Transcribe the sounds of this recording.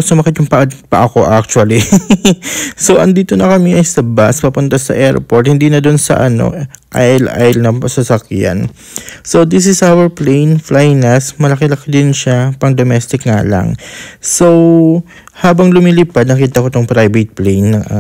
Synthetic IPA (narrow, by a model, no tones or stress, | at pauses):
sʊmɐkɛt̪jʊŋpɐʔpɐʔɐko̞ʔak̚t͡ʃwɐli | so̞ʔɐŋd̪iːt̪o̞nɐkɐmiʔɐjsɐbaspɐpʊnt̪asɐ̰ʔɛɹpo̞ɹt̪hɪnd̪iːnɐd̪onsɐ̰ʔɐno̰ʔajlʔa̰jlnɐpɐsɐsɐkja̰n | so̞wd̪ɪs̬ɪsawɛɹplejnflajnɐsmɐlɐkɛlɐkɪd̪ɪnʃapɐŋd̪omɛst̪ɪkŋa̰lɐ̰ŋsow | haːbɐŋlʊmiliːpad̪nɐkiːt̪ɐkot̪oŋpɾajbet̪̚plejnːɐŋʔa